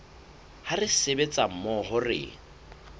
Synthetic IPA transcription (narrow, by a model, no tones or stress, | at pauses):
harɪsebet͡sʼam̩mɔɦʊrɪ̰